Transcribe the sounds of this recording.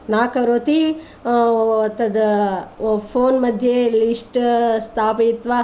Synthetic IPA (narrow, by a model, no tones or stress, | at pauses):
naːkɐɾoːt̪i | t̪ːɐd̪ɐ | pʰoːnmɐd̪ʱjelisʈst̪ʰaːpit̪ʋa